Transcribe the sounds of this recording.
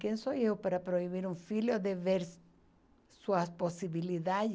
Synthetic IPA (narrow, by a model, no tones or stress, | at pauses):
kjensojeopaɾapɾo̞iβiɾuɱfiljoðeβeɾ | swasposiβiliðað